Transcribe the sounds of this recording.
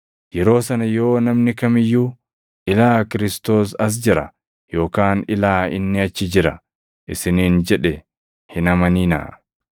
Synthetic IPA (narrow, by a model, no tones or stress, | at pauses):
jɛɾo̞ːsɐnɐjo̞ːnɐmnɪkɐmɪjːuː | ʔɪlaːkɪɾɪst̪o̞ːs̬ɐs̬d͡ʒɪɾɐ̰ | jo̞ːkaːnɪlaːɪ̰nːɪɐt͡ʃːɪd͡ʒɪɾɐ̰ | ʔɪsɪniːnd͡ʒɛᶑɛ | hɪnɐmɐniːna̰ː